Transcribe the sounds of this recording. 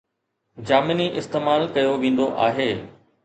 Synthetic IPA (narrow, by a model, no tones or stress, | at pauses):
d͡ʑaːmɪniʔɪst̪eːmaːlkɐjoʋẽːn̆d̪oʔaːɦeː